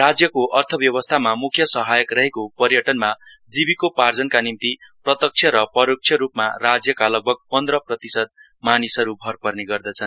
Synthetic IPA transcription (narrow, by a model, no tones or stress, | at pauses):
rad͡zjʌkoʔʌrt̪ʰʌbjʌβʌst̪ʰamamukʰjʌsʌɦajʌkrʌɦekopʌɾjʌʈʌnmad͡zibikopard͡zʌnkanimt̪iprʌt̪ʌk̚t͡sʰjʌɾʌpʌɾok̚t͡ʃʰjʌɾupmarad͡zjʌkalʌɡ̚bʱʌɡ̚pʌnd̪rʌprʌt̪isʌd̪̚ | manisʌɾubʱʌrpʌrneɡʌrd̪ʌt͡sʰʌn